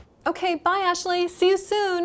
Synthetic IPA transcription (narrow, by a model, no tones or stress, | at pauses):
oʊkʰeɪbaɪæk̚t͡ʃʉl̩ˠisijɨsũn